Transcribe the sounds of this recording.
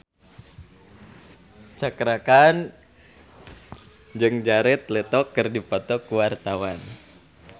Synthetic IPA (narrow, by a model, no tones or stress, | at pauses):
t͡ʃakɾakan | d͡ʒɨŋd͡ʒaɾɛt̪̚lɛt̪ɔkːərdipɔt̪ɔkuwart̪awan